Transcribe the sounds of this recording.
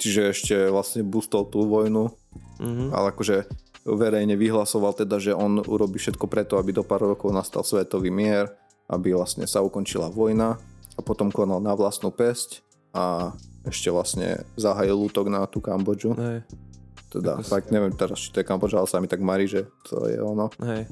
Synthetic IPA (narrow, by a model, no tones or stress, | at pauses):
t͡ʃiʒɛɛʃcɛʋlasɲɛbust̪ɔlˠt̪uːʋɔjnu | a̰lɛakɔʒɛ | ʋɛɾɛjɲɛʋiɦlasɔʋalˠt̪ɛd̪aʒɛɔnṵɾɔbiːfʃɛt̪kɔpɾɛt̪ɔabid̪ɔpaːɾɾɔkɔʊnast̪a̰lˠsʋɛt̪ɔʋiːmɪɛɾ | ʔa̰biʋlastɲɛ̰saukɔnt͡ʃilaʋɔjnaapɔt̪ɔmkɔnalˠnaʋlasnupɛsc | aɛʃcɛʋlasɲɛ̰zaɦajilːuːt̪ɔɡnat̪uːkambɔd͡ʒuɛ | t̪ɛd̪a̰t̪aɡɲɛʋjɛmt̪ɛɾast͡ʃit̪ɔjɛkambɔd͡ʒalɛsamit̪aɡmaɾiʒɛt̪ʰɔ̰jɛ̰ɔnɔɦɛ